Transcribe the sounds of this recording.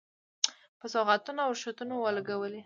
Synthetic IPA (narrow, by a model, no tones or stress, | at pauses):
pəsɔɣat̪unoawʃat̪unowəlaɡawəle